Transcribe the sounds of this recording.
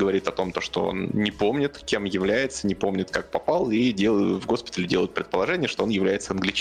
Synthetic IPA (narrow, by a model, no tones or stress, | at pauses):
ɡəvɐɾʲit̪ɐt̪o̞mt̪o̞ʂt̪o̰o̰nnʲɪpo̞mnʲɪt̪kʲe̞mjɪvlʲæjɪt̪sənʲɪpo̞mnʲɪt̪kak̚pɐpalˠidʲelˠvɡo̞spʲɪ̥t̪əlʲɪdʲe̞lˠəjʊt̪pɾʲɪt̪pəlˠɐʐɛnʲɪjəʂt̪oonjɪvlʲæjɪt̪səɐnɡlʲɪt͡ɕ